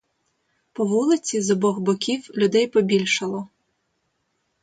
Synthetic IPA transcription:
pɔʋulˠɪt͡sʲizɔbɔɣbɔkʲiwlʲʊd̪ɛjpɔbʲilʲʃɐlˠɔ

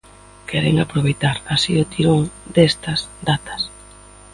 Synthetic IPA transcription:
kʰɛɾḛŋapɾoβejt̪aɾasiʊt̪iɾoŋd̪est̪ɐzd̪at̪ɐ̥s

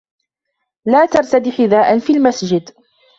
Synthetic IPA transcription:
laːt̪ɑɾˤt̪ad̪iːxɪd̪aːʔanfiːlmasd͡ʒɪd̪

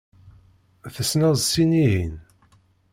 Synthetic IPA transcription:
θəsnæzˤsiniɦḭn

